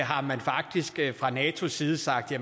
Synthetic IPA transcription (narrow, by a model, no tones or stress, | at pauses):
ɦɑ̈mænfɑ̈ɡ̥̚d̥isɡ̥fʁɑ̈nɛːt͡sʰo̝siːð̞ˠəsɑ̈ɡ̥̚d̥jæ